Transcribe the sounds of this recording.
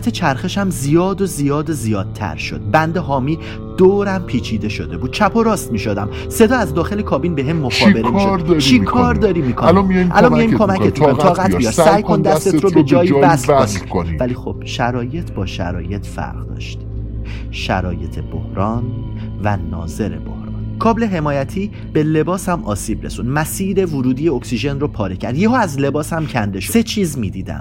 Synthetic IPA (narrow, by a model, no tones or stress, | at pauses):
t̪ʰet͡ʃʰæɾxe̞ʃæmzijɒːd̪ozijɒːd̪ozijɒːd̪̚t̪ʰæ̰ɾʃo̰d̪̥̚bænd̪eɦɒːmiː | d̪̥oːɾæmpʰiːt͡ʃʰiːd̪e̞ʃod̪e̞buːd̪̥̚t͡ʃʰæpʰo̞ɾɒːst̪miːʃod̪æm | se̞d̪ɒːæzd̪ɒːxe̞lekʰɒːbinbe̞ɦemːoxɒːbeɾemiʃɾd̪ɾt͡ʃʰikʰɒːɾd̪ɒːɾimiːkʰolmiɒjʔælɒmiɒjimkʰo̞mækʰet̪moit̪ʰɒːɣætj̪ijɒːt̪ssæːjkʰond̪æst̪et̪ɾobed͡ʒɒːjivæslkoi̥konivæliːxob̥ʃæɾɒːje̞t̪ʰbɒːʃæ̰ɾɒ̰ːje̞t̪ʰfæ̰ɾʁd̪ɒ̰ːʃt̪ | ʃæ̰ɾɒ̰ːje̞t̪ʰe̞bo̰hɾɒːn | vænɒ̰ːze̞ɾe̞̰bo̰hɾɒ̰ːnkʰɒːble̞ɦe̞mɒːjæt̪ʰiː | b̥e̞le̞bɒːshæmʔɒːsiːbɾe̞̰sunmæsiːɾe̞vuɾuːd̪ijeoksiʒe̞nropʰɒːɾecʰæ̰ɾd̪jehɒːæzle̞bɒːshæmcʰænd̪e̞ʃose̞t͡ʃʰiːzmiːd̪iːd̪æ̰m